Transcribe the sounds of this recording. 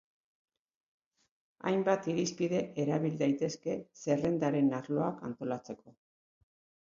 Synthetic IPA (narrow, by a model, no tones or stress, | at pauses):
a̰jmbat̪iɾispiðe̞ʔeɾaβild̪ajt̪e̞ske̞se̞re̞nd̪aɾe̞naɾlo̞akant̪o̞lat͡se̞ko̞